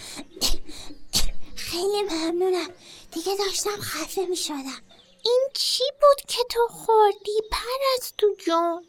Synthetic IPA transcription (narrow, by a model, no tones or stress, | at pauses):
xejlimæmnuːnæmd̪̥iɡed̪ɒːʃt̪æmxæfemiːʃod̪æm | ʔiːnt͡ʃʰibuːd̪̥cʰe̞t̪ʰoxoɾd̪̥iːpʰæɾæzt̪ʰud͡ʒɔn